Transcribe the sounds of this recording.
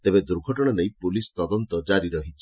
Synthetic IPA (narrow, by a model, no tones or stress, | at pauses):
t̪ebed̪uɾɡʱɔʈɔɽ̃anejpulist̪ɔd̪ɔnt̪ɔd͡ʒaɾiɾɔɦit͡ʃʰi